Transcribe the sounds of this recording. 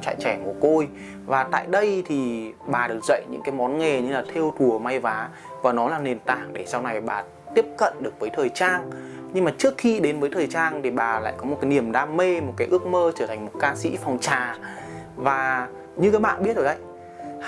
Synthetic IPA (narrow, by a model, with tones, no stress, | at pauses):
t͡ɕa̰ː˧˨˩t͡ɕɛ˧˩mo˨˧˩ko˧j | vaː˨˩t̪a̰ː˧˨jɗə˧jt̪ʰi˨˩ɓaː˨˩ɗɨ˨˩ək̚zə̰˧˨jɲɨ̰˧˥ŋkaː˨˦jmɔ˨˦nŋe˨˩ɲɨ˧laː˨˩t̪ʰe˧wt̪ʰu˨˩əma˧jvaː˨˦ | vaː˨˩nɔ˨˦laː˨˩ne˨˩nt̪a̰ː˧˩ŋɗe˧˩sa˧wna˨˩jɓaː˨˩ | t̪i˦˥əp̚kə̰˧˨nɗɨ˨˩ək̚vəː˨˦jt̪ʰəː˨˩jt͡ɕaː˧ŋ | ɲɨ˧ŋmaː˨˩t͡ɕɨ˦˥əkxi˧ɗe˨˦nvəː˨˦jt̪ʰəː˨˩jt͡ɕaː˧nt̪ʰi˨˩ɓaː˨˩la̰ː˧˨jkɔ˨˦mo˨˩t̚kaː˨˦jni˧˩əmɗaː˧me˧mo˨˩t̚kaː˨˦jʔɨ˦˥ək̚məː˧t͡ɕəː˧˩t̪ʰa˨˩ŋ̟mo˨˩t̚kaː˧sḭ˧˥fɔ˨˩wŋ͡mt͡ɕaː˨˩ | vaː˨˩ | ɲɨ˧kaː˨˦jɓa̰ː˧˨nɓi˦˥ət̚zo˨˩ɗə̰˧˨j